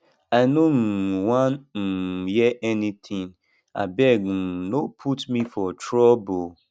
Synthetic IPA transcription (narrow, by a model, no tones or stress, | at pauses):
aɪnom̩wanm̩jɛʔɛnitʰĩŋ | a̰bɛɡ̩nopʰutmifɔtɾɔbo